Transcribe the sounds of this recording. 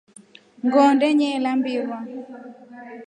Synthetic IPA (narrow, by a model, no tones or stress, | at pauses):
ŋɡɔndɛɲɛlambɪwa